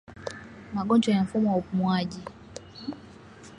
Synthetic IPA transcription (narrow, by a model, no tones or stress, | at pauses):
maɡɔnd͡ʒɔjaɱ̩fumɔwaupumwaʄi